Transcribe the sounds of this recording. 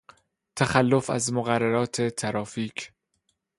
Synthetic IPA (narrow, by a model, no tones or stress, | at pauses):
t̪ʰæxælːofæ̰zmoɣærːæɾɒːt̪ʰet̪ʰæɾɒːfiːcʰ